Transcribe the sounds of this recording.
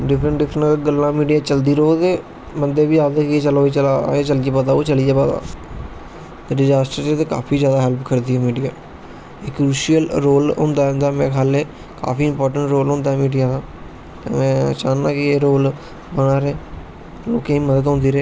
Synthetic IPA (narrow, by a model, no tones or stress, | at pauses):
ɖɪpʰɾəɳɖɪpʰɾɡəlːãːmiːɖijaːt͡ʃəld̪iːɾoːt̪eː | mənd̪eːʋiːaːd̪eːkiet͡ʃəloːiːt͡ʃəlaeːt͡ʃəlieːpaːd̪aːoːt͡ʃəliːɛːpaːd̪a̰ː | ɖɪd͡ʒaːsʈəɾt͡ʃet̪eːka̰ːpʰiːd͡ʒjaːd̪aːɦɛlpkʰəɾd̪iːɦɛːmiːɖijaː | ekɾuːʃijəlɾoːlɦʊ̰̃nd̪ãːnd̪aːmɛ̃ːkʰaːleː | ka̰ːfiːɪmpɔːɾʈəɳʈɾoːlɦʊ̃nd̪aːmiːɖijaːd̪aː | t̪ḛːmɛ̃ːə̰t͡ʃaːnːaːkɪeːɾoːl | bəɽ̃aːɾeː | loːkẽːiːməd̪ət̪ɦõːnd̪iːɾeː